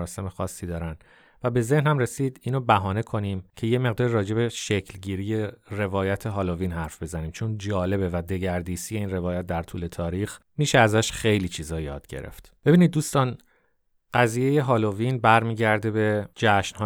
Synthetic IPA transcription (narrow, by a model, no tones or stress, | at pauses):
ɾɒːse̞mexɒːsːiːd̪ɒːɾænd̪ | væbe̞ze̞hnhæmre̞siːd̪iːnobæɦɒːne̞kʰo̞niːmcʰejeme̞ɣd̪ɒːɾiɾɒːd͡ʒe̞be̞ʃecʰlɟiːɾije̞re̞vɒːjæt̪ʰeɦɒːloviːnɦæɾfbe̞zæniːmt͡ʃʰond͡ʒɒːle̞bevæd̪e̞ɟæɾd̪iːsije̞iːnre̞vɒːjæt̪̚d̪æɾt̪ʰuːle̞t̪ʰɒːɾiːxmiːʃeæzæʃxe̞jliːt͡ʃʰiːzɒːjɒːd̪̥ɟe̞̰ɾe̞̰ft̪b̥e̞binid̪̚ːuːst̪ɒːn | ɢ̥æziːjeje̞ɦɒːlovinbæɾmiːɟæɾd̪ebe̞d͡ʒæʃnhɒ